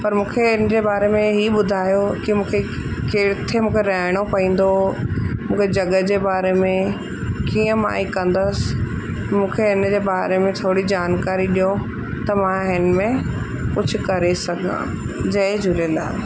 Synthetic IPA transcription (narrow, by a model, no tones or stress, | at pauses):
pɐɾmũːkʰeɪnəd͡ʑeːbaːɾemẽɦiɓʊd̪ʱaːjokimũːkʰe | keːɽt̪ʰemũːkʰeɾɐɦɪɽ̃opɐĩːn̆d̪omũːkʰed͡ʑɐɠəd͡ʑeːbaːɾemẽ | kiːə̃ma̰ːikɐ̃nd̪əsɪ̥ | mũːkʰeɪnəd͡ʑeːbaːɾemẽt̪ʰoːɽid͡ʑaːnkaːɾiɗijo | t̪ɐmãɦɪnmẽ | kʊd͡ʑʱʊ̆kɐɾesɐɡʱã̰ː | d͡ʑɐɪd͡ʑʱʊlẽːnd̪a̰ː